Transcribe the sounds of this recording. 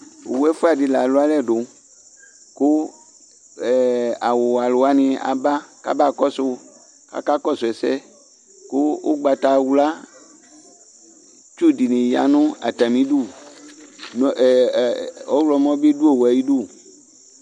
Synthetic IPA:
wo˨˦ɛ˦fo˦a˨di˨la˨lo˦a˦lɛ˦˨ɖo˨ | ko˦˨ | a˨wo˨a˨lo˨a˨nĩ˨a̰˨ba˦ka̰˦ba˦˨kɔ˦so˦ | ka̰˦ka˦kɔ˦sʊ˨ɛ˨sɛ̰˦ | ko˦wo̰˦ɡ͡ba˨t̪a˨wla˦ | t͡ʃu˦di˨nẽ˨ja̰˨nũ˦a̰˨t̪a˨mĩ˦ɖu˦˨ | n˨ | ɔ˦wlɔ˨mɔ̃˦be˦du˦o˦˨wa˨ji˦ɖo˦˨

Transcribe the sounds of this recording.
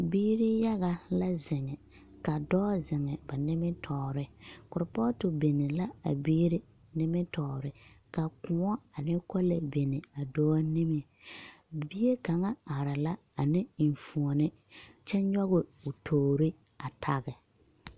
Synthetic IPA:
biː˦ɾɪ˦ja˦ɣa˨la˦zɪ˨ŋɛ˨ | ka˨dɔː˦zɪ˨ŋɛ˨ba˨nɪ˦mɪ˦tʰɔː˨ɾɪ˦kʊ˨ɾpɔ˦tʊ˨be˨nɪ˨la˦a̰˨biː˦ɾɪ˦ | nɪ˦mɪ˦tɔː˨ɾɪ˨ | ka˨kʊ˨˦ɔ˦a˨nɪ˦kɔ˦la˨be˨nɪ˨a˨dɔː˦a˦nɪ˦mɪ˨ | bi˦e˦ka˨ŋa˦a˨ɾa˨la˦ | a˨nɪ˦˨fu˨ɔ˨nɪ˦ | t͡ʃɛ˦ɲɔ˦ɣʊ˨ʊ˨tʰoː˨ɾɪ˦ | a˨tʰa˦˨ɣɪ˨

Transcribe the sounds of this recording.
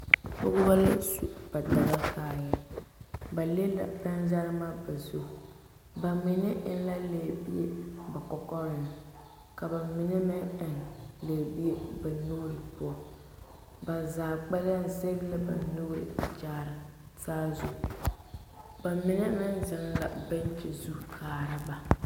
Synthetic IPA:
pʊ˦ɣʊ˦ba˦la˦su˦b̥a˨da˦ɣa˦kaː˦jɛ˦ | ba˨le˦la̰˨bɛ˦nza˦ɾɨ˦ma˦ba˨zu˦˨ | ba˨mɪ˦nɛ˦ʔɪ˦n˦la˦leː˨bi˦e˦ba˨kɔ˨kɔ˦ɾɪ˨nɨ˨ | ka˨ba˨mɪ˨nɛ˦mɪ˦ŋɪ˨n˨le˨bi˦e˦ba˨nu˦ɾɨ˨pʊ˦ɔ˨ | ba˨zaː˨k͡pɛ˦la˦n˨se˦ɡla˦ba̰˨nu˦ɾɪ̰˨t͡ʃaː˦ɾɨ˨ | taː˦zṵ˨ | ba˨mɪ˦nɛ˦mɪ˦nzɪ˨˦n˦la̰˨ba˦n˦t͡ʃi˨zu˦kʰaː˨ɾɨ˦ba˨

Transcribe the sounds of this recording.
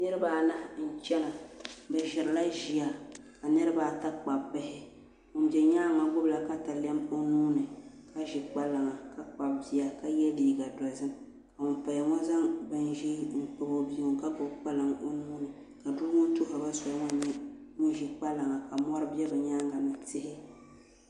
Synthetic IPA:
nɨ˦ɾɨ˦baː˨˦la˦˨n̩˦˨t͡ʃɛ˦na˨bɛ˨ʒɪ˨ɾɨ˨la˦ʒi˨a˨ | ka˨nɨ˦ɾɨ˦baː˨ta˦k͡pa˨bːɪ˦hɪ˦ | ŋʊ˨n˦bɛ˨ɲaː˦˨ŋa˨ɡ͡bʊ˦bla˨ka˦ta˨lɛ˦mo˦nuː˦nɨ˨ | ka˦ʒɪ˨k͡pa˦la˨ŋa˨ka˦k͡pa˨bbi˦a˨ka˦jɛ˦liː˨˦ɡa˨dɔ˨zɨ˦m | ka˨ʊ˨npa˨ja˨ŋɔ˦za˦ŋbɨ˨nʒi˦ŋ̩˨k͡pɨ˨bo˨bi˦ŋʊ˨ŋka˦ɡʊ˨bk͡pa˦lɨ˨ŋo˦nuː˦nɨ˨ | ka˨du˦ŋʊ˦tʊ˦ɦʊ˨ba˦sɔ˨˦ŋɔ˦ɲi˦ŋʊ˦ʒɪ˨k͡pa˦la˨ŋa˨ka˨mɔ˦ɾɨ˦bɛ˦bɛ˨ɲaː˦ŋa˨nɨ˨tɪ˦hɪ˦

